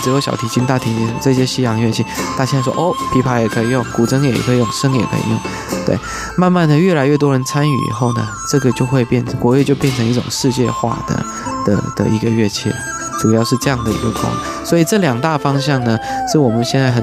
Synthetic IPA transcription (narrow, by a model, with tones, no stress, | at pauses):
ʈ͡ʂɻ̩˧˥jo˧˥ʊɕjɑ̰˨˩ʊt̪ʰi˨˥t͡ɕi˥nt̪a˥˩t̪ʰi˧˥t͡ɕi˧˥ʂʈ͡ʂɤ˥˧˩ɕ̬jɛ˥ɕi˧˥jɑ˨˩ŋ˦ɥɛ˥˧t͡ɕʰɛ˥˩t̪a˥˩ɕjʂɔ˥ʔo˥˩ʊpʰi˧˥pʰa˧˥jɛ˨˩kʰɤ˧˥i˨˩jʊ˥˩ŋku˨˩ʈ͡ʂʰɤ˥ŋjɛ˨˩jɛ̰˨˩kʰɤ˧˥i˨˩jʊ˥˩ŋʂə˥ŋɛ̰˨˩pʰḛ˧˥ɪḭ˥˩ŋ | t̪we˥˩ɪ | ma˥˧nma˥˩nd̪ə˩ɥɛ˥˩la˧˥ɪɥɛ˥˩t̪wɔ˥ɻə˧˥nt͡sʰa˥ny̰˨˩ḭ˨˩xo˥˩ʊnə̰˩ʈ͡ʂɤ˥˩ɡə˩t͡ɕjo˥˧ʊxwe˥˧ɪpjɛ˥˩nʈ͡ʂʰɤ˧˥ŋkwɔ˧˥we˥˧t͡ɕjo˥˧ʊpjɛ˥˩nʈ͡ʂʰɤ˧˥ŋi˥˩ʈ͡ʂʊ̰˨˩ŋʂɻ̩˥˧t͡ɕjɛ̰˥˧xwa̰˥˩d̪ə̰˩ | d̪̥ə̰˩d̪̥ə̰˨i˧˥ɡə˧ɥɛ˥˧t͡ɕʰjɛ̰˥˩ | ʈ͡ʂu˨˩jɑ˥˧ʊʂɻ̩˥˧ʈ͡ʂɤ˥˧jɑ˥˩ŋd̪ə˩ḭ˧˥ɡə˧kʰwɑ̰˥˩˥ | swɔ˧˥i˨˩ʈ͡ʂɤ˥˩ljɑ˨˩ŋt̪a˥˩fɑ˥ŋɕ̬jɑ˥˩ŋnə˩ʂɻ̩˥˩wɔ˨˩mə˦nɕjɛ˥˧nt͡sa˥˩ɪxə˨˩n